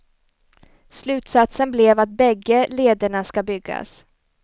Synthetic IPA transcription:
slʉ̟ːt̪sat̪sənblɛvat̪̚bɛɡːəleːd̪əɳaskabʏɡːa̰s

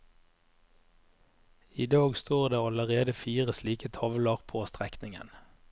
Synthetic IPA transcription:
ɪd̪ɑːɡst̪oːʁd̪eːɑləʁeːd̪əfiːʁəsliːkət̪ʰɑʋləʁpʰoːst̪ʁɛknɪŋə̰n

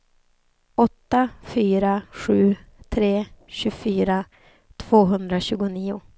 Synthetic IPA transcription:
ɔt̪ːafyːɾaɧʉ̟ːt̪ʰɾeːɕɵfyːɾa | t̪ʰv̥oːɦɵnd̪ɾaɕʉ̟ːɡʊniːʊ

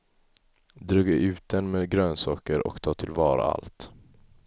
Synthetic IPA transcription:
d̪ɾɵɡəʔʉ̟ːt̪̚d̪ɛnmeːd̪ɡɾøːnsɑːkəɾʔɔ̰kt̪ʰɑːt̪ʰɪlvɑːɾa̰a̰lt̪

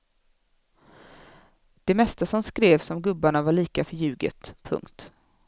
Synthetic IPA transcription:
d̪̥ɛmɛst̪asɔnskɾeːvsɔmɡɵbːaɳavaɭiːkafœɾjʉ̟ːɡə̰t̪pʰːɵ̰ŋkt̪

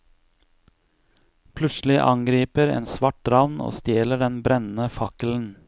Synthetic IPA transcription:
pʰlʉsl̩ɪʔɑ̰ŋɡɾiːpəɾḛːnsʋɑʈ̚ɾɑʋno̰ːst̪jeːləɖɛnbɾɛnn̩əfɑkəl̩n̩

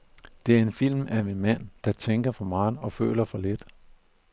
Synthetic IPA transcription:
d̥e̝æɐe̝nfil̰mæmenmæn̰d̥ɑ̈t͡sʰeŋɡ̥ɐfɒ̽mɑ̈ːɒ̽fø̰ːlɐfɒ̽led̥

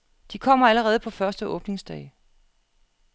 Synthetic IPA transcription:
d̥ikʰɒ̽m̰ɐæləʁɛːð̞̩ˠpʰɒ̽fɶɐsd̥əʔɔ̽ːb̥ne̝ŋsd̥ɛ̰ɪ

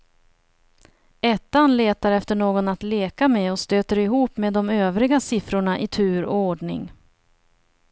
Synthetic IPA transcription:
ɛt̪ːanleːt̪aɾɛft̪əɳoːɡɔnat̪leːkameɔst̪øːt̪əɾɪɦuːpmeːd̪ːɔmøːvɾɪɡasɪfɾʊɳaʔɪt̪ʰʉ̟ːɾɔ̰oːɖɳɪ̰ŋ

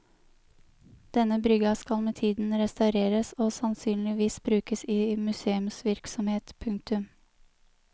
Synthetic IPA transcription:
d̪̥ɛnəbɾʏɡɑskɑlmeːt̪ʰiːd̪n̩ɾɛst̪ɑʉɾeːɾəsoːsɑnsyːnlɪʋiːsbɾʉːkəsiːmʉseːʉmsʋɪɾksɔmheːt̪pʰʉŋk̚t̪ʉm

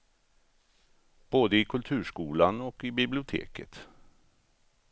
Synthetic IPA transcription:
b̥oːd̪əɪkʰɵlt̪ʰʉ̟ːʂkuːlanɔkɪbɪblɪʊt̪ʰḛːkə̰t̪

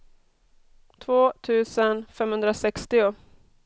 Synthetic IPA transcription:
t̪ʰvoːt̪ʰʉ̟ːsənfɛmhɵnd̪ɾasɛkst̪ɪʊ

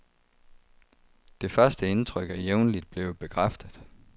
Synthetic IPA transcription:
d̥e̝fɶɐsd̥əe̝nt͡sʰʁœɡ̥æjeʊnlid̥̚b̥le̝ʊb̥e̝kʰʁafd̥ð̩ˠ

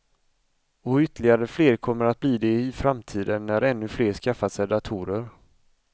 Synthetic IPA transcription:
ɔʏt̪ːəlɪɡaɾəfleːɾkʰɔmːəɾat̪̚bliːd̪ɛɪfɾamt̪ʰiːd̪ənːæɾɛnːɵfleːɾʂkafːat̪sɛd̪at̪ʰuːɾəɾ

